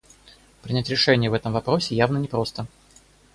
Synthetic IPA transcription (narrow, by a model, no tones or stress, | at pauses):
pɾʲɪnʲætʲɾʲɪʂɛnʲɪjəvɛt̪əmvɐpɾo̞sʲɪjavnənʲɪpɾo̞st̪ə